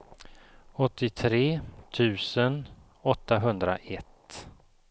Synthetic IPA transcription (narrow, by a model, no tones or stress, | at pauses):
ɔt̪ːɪt̪ʰɾeːt̪ʰʉ̟ːsən | ɔt̪ːaɦɵnd̪ɾa̰ʔɛt̪